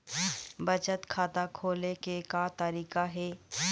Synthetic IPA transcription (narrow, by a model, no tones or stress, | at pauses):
bɐt͡ʃət̪kʰaːt̪akʰoːlekekat̪ɐɾiːkaɦɛː